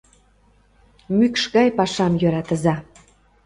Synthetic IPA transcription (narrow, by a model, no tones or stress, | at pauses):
mykʃɣɑjpɑʃɑmjøɾɑt̪ə̆zɑ